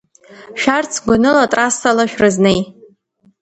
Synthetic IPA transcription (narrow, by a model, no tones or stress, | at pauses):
ʃᶣart͡sʰɡʷanɨlatʼrasalaʃᶣrɨznej